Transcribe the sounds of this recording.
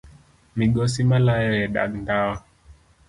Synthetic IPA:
miɡɔsimalajɔjɛɗa̰ɡndawa

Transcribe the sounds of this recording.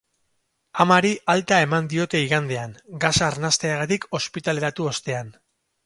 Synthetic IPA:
amaɾiʔalt̪ae̞mand̪io̞t̪e̞iɣand̪e̞aŋɡasaːɾnast̪e̞aɣat̪iko̞spit̪ale̞ɾat̪uo̞st̪e̞an

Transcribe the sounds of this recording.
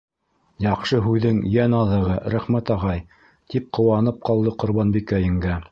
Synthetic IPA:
jɑqʃɤɦʉðɘŋjænɑðɤ̆ʁɤɾæχmæt̪ɑʁɑj | t̪ip̚qʰŏwɑnɤp̚qɑlˠd̪ɤqŏɾβɑnbikæjɘ̆ŋɡæ

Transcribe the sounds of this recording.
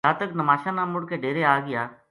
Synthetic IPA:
aːt̪əknəmaːʃaːnãːmʊɽkeːɖeːɾeaːɡɪjaː

